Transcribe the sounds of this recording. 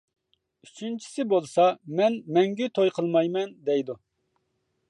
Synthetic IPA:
yt͡ʃʰynt͡ʃʰi̥sɪbolˠsɑmɛnmɛŋɡʲyt̪ʰojqʰəlˠmɑjmɛnd̪ɛjd̪u

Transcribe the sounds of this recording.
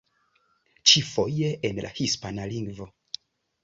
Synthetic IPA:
t͡ʃifo̞jeʔenlʔa̰hispanaliŋɡvo

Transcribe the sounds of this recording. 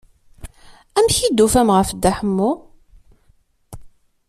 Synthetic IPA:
æmçid̪ːufæmʁəfd̪ːæħəmːu

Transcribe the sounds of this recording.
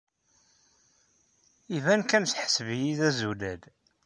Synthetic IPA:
ivænkænθħsəvjiðæzulæd̪

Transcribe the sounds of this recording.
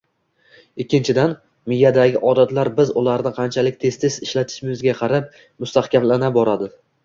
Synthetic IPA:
ɪkʲːɪnt͡ʃʰɪd̪an | mɪjad̪aɡʲɪʔɒd̪at̪laɾbɪzʊlaɾnɪqʰɑnt͡ʃʰalɪkʲt̪ʰe̞st̪ʰesɪʃlat̪ʰɪ̥ʃɪmmɪzɡʲaqʰɑɾap̚ | mʊst̪ahkʲamlanabɒɾad̪ɪ

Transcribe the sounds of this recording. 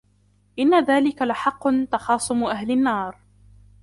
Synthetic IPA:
ʔɪnːaðaːlɪkalɪħɑqːʊnt̪ɑxɑːsˤʊmʔahlɪnːɑːɾˤ

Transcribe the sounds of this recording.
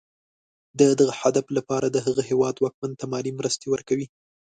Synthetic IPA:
d̪əd̪əɣəhad̪aflapɑɾad̪əɦəɣəɦewɑd̪wɑk̚mant̪amɑlimɾəst̪ewəɾkawi

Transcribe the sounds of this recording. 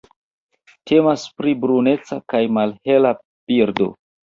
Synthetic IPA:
tʰe̞maspɾibɾune̞t͡sakajmalhe̞la | piɾdo̞̰

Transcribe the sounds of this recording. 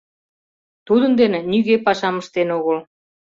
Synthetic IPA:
t̪ud̪ənd̪enenyɣepɑʃɑməʃt̪enoɣəl

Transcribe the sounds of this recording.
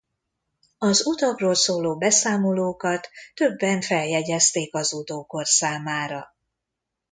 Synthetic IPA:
ɒzut̪ɒkroːlsoːloːbɛsaːmo̞loːkɒt̪ːø̞bːɛɱfɛljɛɟɛst̪eːkɒzut̪oːko̞rsaːmaːɾɒ̰

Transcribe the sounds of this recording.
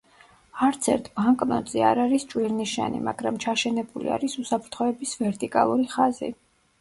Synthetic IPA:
aɾt̪sʰɛ̰ɾt̪ʰb̥aŋkʼnɔt̪zʼia̰ɾaɾist͡ʃʼwiɾniʃa̰nḭmaɡɾamt͡ʃʰaʃɛnɛbulḭa̰ɾisusapʰɾt̪ʰχɔɛbisvɛɾt̪ʼikʼa̰lˠuɾiχazḭ

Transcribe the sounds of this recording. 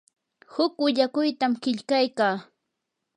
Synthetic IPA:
hʊkwɪʎakʊjt̪amkɪʎkajkaː

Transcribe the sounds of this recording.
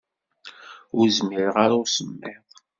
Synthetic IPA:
ʊɾzmɪɾʁaɾʊɾsəmːɪðˤ

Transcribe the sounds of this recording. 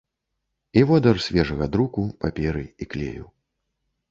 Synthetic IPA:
ivɔd̪ɐrsʲvʲɛʐɐɣɐd̪ɾukupapʲɛɾɨiklʲḛjʲṵ

